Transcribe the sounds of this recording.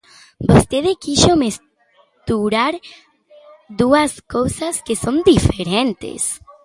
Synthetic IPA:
bost̪eðɪkiʃomes | t̪uɾaɾ | d̪uɐskowsɐskesõnd̪ifeɾẽnt̪ḛs

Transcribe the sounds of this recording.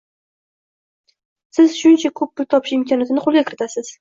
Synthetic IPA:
sɪzʃʊnt͡ʃʰakʰɵp̚bʊt̪ʰːɒpʰɪʃɪmkʰɒnjat̪ɪnɪqʰolˠɡʲakʲʰɪɾɪt̪ʰasɪz̥

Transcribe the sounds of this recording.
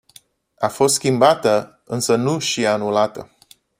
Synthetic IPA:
afo̞s̬t̪skʲimbat̪ə | ɨnsənuʃianulat̪ə

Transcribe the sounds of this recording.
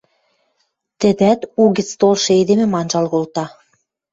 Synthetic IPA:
t̪ɘ̆d̪æt̪uɣɘ̆t͡st̪olʃɤ̆ed̪emĕmɑnʒɑlɣolt̪ɑ

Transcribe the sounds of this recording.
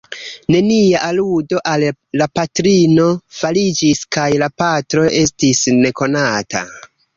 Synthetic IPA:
ne̞niaʔaludo̞ʔalːapatɾino̞falid͡ʒiskajlapatɾo̞ʔe̞stisne̞ko̞nata̰

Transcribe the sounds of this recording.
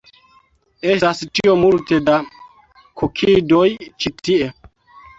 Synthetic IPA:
estastio̞multe̞da | kʰokʰidojt͡ʃitie̞

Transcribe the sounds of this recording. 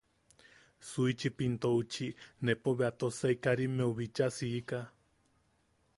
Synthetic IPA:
suit͡ʃipint̪out͡ʃinepoβeat̪osaikaɾimeuβit͡ʃasiːka

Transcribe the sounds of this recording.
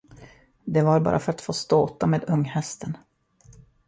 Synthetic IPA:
d̪ɛvaɾbɑ̰ːɾʔafœɾat̪foːst̪oːt̪ameːd̪ɵŋːhɛst̪ʰən

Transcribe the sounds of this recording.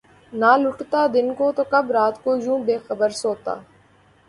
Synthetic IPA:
naːlʊʈt̪aːd̪ɪnkoːt̪oːkəbɾaːt̪koːjũːbeːxəbəɾsoːt̪a̰ː

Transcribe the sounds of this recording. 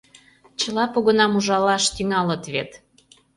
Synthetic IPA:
t͡ɕəlɑpoɣənɑmuʒɑlɑʃt̪yŋɑlət̪βet̪

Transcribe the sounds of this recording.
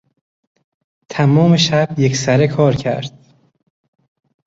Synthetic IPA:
t̪ʰæmɒːmeʃæb̥je̞ksæɾekʰɒːɾcʰæ̰ɾd̪̥̚

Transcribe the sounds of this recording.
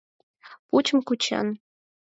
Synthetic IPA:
put͡ɕə̆mkut͡ɕḛn

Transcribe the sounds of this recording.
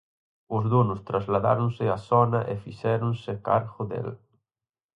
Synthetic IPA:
ʊzðunʊst̪ɾazlaða̰ɾʊnsɪasɔnɐʔeɪfisɛɾʊnsɪkaɾɣʊðḛl

